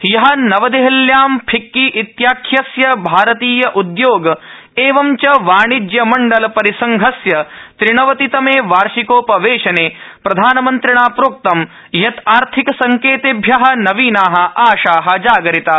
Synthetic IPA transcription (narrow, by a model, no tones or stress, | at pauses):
jɐɦɐnɐʋɐd̪eɦɐljaːmpʰikːiʔit̪jaːkʰjɐsjɐbʱaːɾɐt̪iːjɐʔud̪joːɡ | eːʋɐmt͡ʃɐʋaːɳid͡ʒ̪jɐmɐɳɖɐlɐpɐɾisɐŋɡʱɐsjɐt̪ɾiɳɐʋɐt̪it̪ɐmeːʋaːɾʃikoːpɐʋeːʃɐneːpɾɐd̪ʱaːnɐmɐnt̪ɾiɳaːpɾoːk̚t̪ɐm | jɐt̪aːɾt̪ʰikɐsɐŋkeːt̪eːbʱjɐɦɐ̆nɐʋiːnaːɦɐ̆ʔaːʃaːɦɐ̆d͡ʒaːɡɐɾit̪a